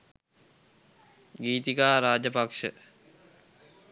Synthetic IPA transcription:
ɡiːt̪ikaːɾaːd͡ʑɐpɐkʂɨ̰

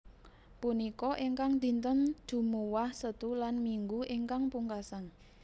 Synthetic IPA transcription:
punikɔʔiŋkaŋd̪̥i̤nt̪ənd͡ʒ̥ṳmuwahsət̪ulanmiŋɡuʔiŋkaŋpuŋkasan

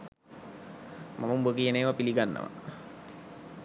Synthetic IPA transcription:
mʔamumbək̬ijeneːʋapiliɡanːə̰ʋa̰

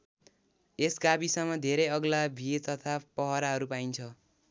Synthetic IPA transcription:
esɡabisʌmːʌd̪ʱeɾʌjʌɡlabʱiet̪ʌt̪ʰapʌɦʌɾaɦʌɾupaint͡sʰʌ

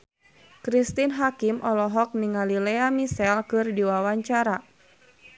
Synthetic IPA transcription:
kɾist̪inɦakimʔɔlɔɦɔk̚niŋalilɛamisɛlkɨrdiwawaɲt͡ʃaɾa

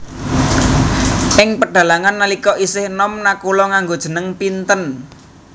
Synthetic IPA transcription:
ɪŋpərɖ̥a̤laŋanːəlikɔʔisɪhnɔmnakulɔŋaŋɡod̥ʒ̥ə̤nəŋpint̪ən

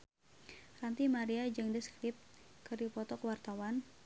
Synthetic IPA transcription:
rant̪imaɾiad͡ʒɨŋdəskɾɪp̪̚t̪̚kɨrdipɔt̪ɔkwart̪awan

